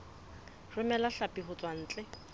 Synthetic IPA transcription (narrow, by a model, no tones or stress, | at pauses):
rɪmɛlaɬapʼiɦʊt͡sʼwan̩ːt͡ɬʼɛ